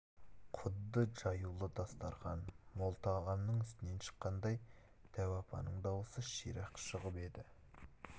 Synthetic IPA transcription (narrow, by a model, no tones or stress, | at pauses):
qʰʊd̪ːəʒɑjulˠəd̪ɑst̪ɑɾʁɑnmolˠt̪ɑʁɑnnəɴʏst̪ɪne̞nʃə̥qːɑnd̪ɑj | d̪̥æwɑpʰɑ̰nəɴd̪ɑwəsəʃiɾɑqʃəʁəpe̞d̪ɪ